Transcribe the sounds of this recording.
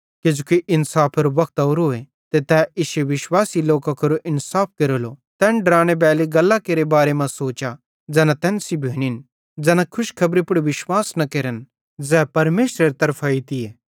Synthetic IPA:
ked͡ʒukiʔɪnsaːpʰɐɾoʋɐk̚ʰt̪oːɾoe | t̪et̪ɛːʔɪʃeʋɪʃwaːsiloːkakʰoɾoʔɪnsaːp̚ʰkeɾoːlot̪ɛːnɖɾãːɽ̃eb̬ɛːleɡɐlːakeːɾebaːɾemãsoːt͡ʃa | d͡zɛːnat̪ɛ̃ːnsibʱeːɽ̃in | d͡zɛːnãkʰʊʃkʰɐbɾipʊɽʋɪʃwaːsnɐkeːɾən | d͡zɛːpɐɾmeːʃɾeɾt̪ɐɾpʰait̪ieː

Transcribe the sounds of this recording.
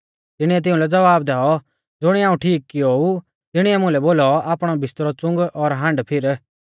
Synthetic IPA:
t̪ɪɽ̃iɛt̪̬ɪ̃ũlɛd͡zɐʋaːb̚d̪ɛːɔ | d͡zʊɽ̃iaːũʈʰiːkːɪou | t̪ɪɽ̃iɛmʊ̃lɛboːlɔaːpɽ̃ɔbɪst̪ɾɔt͡sʊ̃ŋɡɔɾɦãɳɖpʰɪɾ

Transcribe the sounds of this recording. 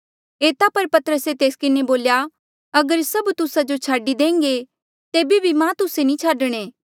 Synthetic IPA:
eːt̪apɐɾpɐt̪əɾəset̪eːskɪneboːlja | ɐɡəɾsɐbt̪ʊsad͡ʒot͡ʃʰaːɖid̪ẽːŋɡe | t̪eːbibʱimãt̪ʊsenĩt͡ʃʰaːɖəɽ̃eː

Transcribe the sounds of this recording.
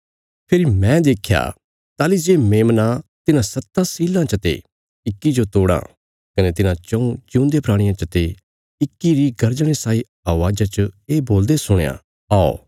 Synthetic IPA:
pʰɪɾimɛ̃d̪eːkʰːja̰ː | t̪aːlid͡ʒeːmeːmnãt̪ɪnãsɐt̪ːãsiːlãt͡ʃət̪ḛ | ɪkːid͡ʒot̪oːɽã̰ | kɐnet̪ɪnãt͡ʃɐ̃ũt͡ʃjũːnd̪epɾaːɽ̃ɪjãt͡ʃɐt̪e | ɪkːiɾiɡɐɾd͡ʒəɽ̃esaːi | ɐʋaːd͡ʒat͡ʃəeːboːld̪esʊɽ̃ja̰ | aːo̰

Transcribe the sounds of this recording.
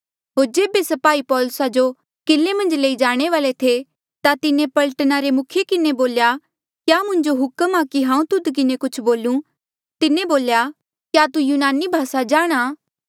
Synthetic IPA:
ɦoːɾd͡ʒeːbesɐpaːipɔːlʊsad͡ʒo | kɪlːemɐ̃nd͡ʒleːid͡ʒaːɽ̃eʋaːlet̪ʰe | t̪at̪ɪnẽpɐlʈnaɾemʊkʰjekɪneboːlja | kjaːmʊ̃ɲd͡ʒoɦʊkəmaːkiɦãːũt̪ʊd̪kɪnekʊt͡ʃʰboːlũ | t̪ɪneboːlja | kjat̪ujuːnaːnibʱaːsad͡ʒaːɽ̃aː

